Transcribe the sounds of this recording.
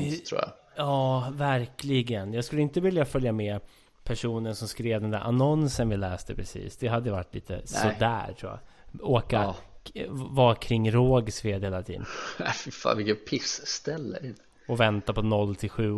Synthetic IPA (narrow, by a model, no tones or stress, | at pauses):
tʰɾṵːja̰ | jɑːvæɾklɪɡənjɑːɡskɵlːəɪnt̪əvɪljafœljamɛ | pʰæʂuːnənsɔmskɾeːvd̪ɛnd̪æ̰ɾʔa̰nɔnsənvɪlɛːst̪əpʰɾɛsḭːsd̪ɛɦad̪ːəjʏva̰ʈːlḭːt̪ə̰sɔd̪æ̰ːɾʈʰɾuːja̰ | oːka | vɑːkʰɾɪŋːɾoːɡsveːd̪heːlat̪ʰiːd̪ə̰næfɪfɑ̰ːnvɪkɛt̪pʰɪsːt̪ɛlːə̰ | ɔvɛnt̪apɔnɔlːt̪ʰɪlɧʉ̟ː